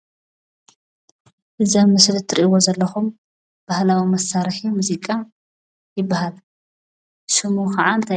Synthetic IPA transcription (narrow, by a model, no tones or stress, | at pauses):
ʔɨzɐmːɨslt̪ʰɨɾiʔiwozɐlːɐxum | b̥ahlawimɐsːaɾħimuzikʼa | jɪbːahal | sɨmuxɐʕant̪ʰɐ